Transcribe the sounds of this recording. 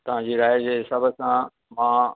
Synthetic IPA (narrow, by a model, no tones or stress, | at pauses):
t̪ɐʋ̤ãd͡ʑiːɾaːjd͡ʑeːɪsɐbʱəsã | mãː